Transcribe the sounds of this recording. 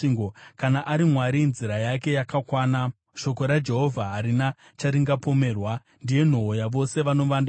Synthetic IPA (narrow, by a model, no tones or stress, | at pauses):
iŋɡokanaʔaɾimwaɾinziɾajake̞jakakwaːna | ʃo̞ko̞ɾad͡ʒe̞ɦo̞vʱaɦaɾina | t͡ʃaɾiŋɡapo̞me̞ːrwa | ndije̞n̤oɦojaʋo̞se̞ʋano̞ʋanda